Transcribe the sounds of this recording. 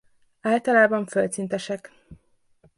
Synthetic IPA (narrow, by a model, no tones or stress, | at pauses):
aːlt̪ɒlaːbɒɱfølt̪sint̪ɛʃɛk